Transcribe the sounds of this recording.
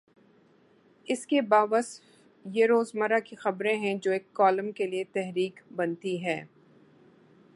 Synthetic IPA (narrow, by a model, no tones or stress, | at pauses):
ɪskebaːʋəsf | jeɾoːzmɐɾakixɐbɾẽɦɛ̃d͡ʒoːeːkːɔːləmkeliet̪ɛɦɾiːkbɐnt̪iɦɛː